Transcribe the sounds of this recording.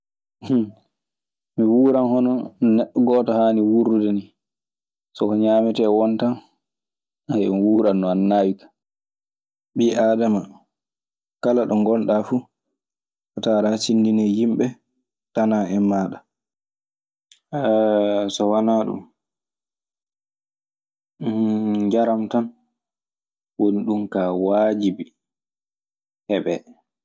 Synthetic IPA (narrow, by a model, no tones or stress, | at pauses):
h | miwuːɾanhɔnɔnɛɗɔɡɔːtɔhaːniwuɾudɛni | sɔkɔɲaːmitɛwɔntan | ajmiwuːɾanːɔanːaːwikḁ | ɓiːʔaːdama | kalaɗɔŋɡɔnɗafu | ʔɔtaɾasindinɛjimɓɛ | tanaɛmːaːɗa | ɛsɔwanaɗṵm | d͡ʒaɾamtan | woniɗumkawaːd͡ʒibi | hɛɓɛ